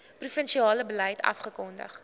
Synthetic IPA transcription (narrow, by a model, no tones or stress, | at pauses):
prufənʃiɑːləbəlɛjtʰɐ̰fχəkɔndə̰χ